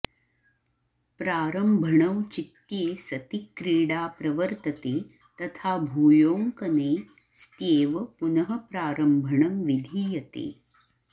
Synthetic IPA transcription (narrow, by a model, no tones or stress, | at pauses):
pɾaːɾəmbʱɐɳɐmt͡ʃit̪jeːsɐt̪ikɾiːɽaːpɾɐʋəɾt̪ɐt̪eː | t̪ɐt̪ʰaːbʱuːjoːŋkɐneː | st̪eːʋɐpunɐɦɐpɾaːɾɐmbʱɐɳɐmʋid̪ʱiːjɐt̪ḛː